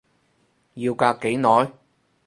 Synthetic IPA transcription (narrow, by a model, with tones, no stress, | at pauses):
jiː˧wkaː˧kkːe˨˥jnɔː˨˥j